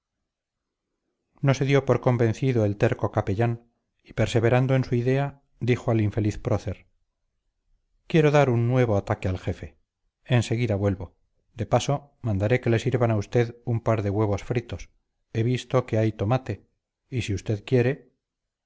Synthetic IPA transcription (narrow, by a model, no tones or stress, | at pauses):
no̞se̞ðjo̞po̞ɾkombe̞nθiðoe̞lt̪e̞ɾko̞kapeʎan | i̥pe̞ɾse̞βe̞ɾand̪oe̞nsuiðe̞a | d̪ixoaliɱfe̞liθpɾoθe̞ɾ | kje̞ɾo̞ðaɾunːwe̞β̞o̞at̪akealxe̞fe̞ | ense̞ɣ̞iðaβwe̞lβo̞ | d̪e̞paso̞mãnd̪aɾe̞ke̞le̞siɾβanaust̪e̞ðumpaɾðe̞ɣwe̞βo̞sfɾit̪o̞s | e̞βist̪o̞ke̞ajt̪o̞mat̪e̞ | isiust̪e̞ðkje̞ɾe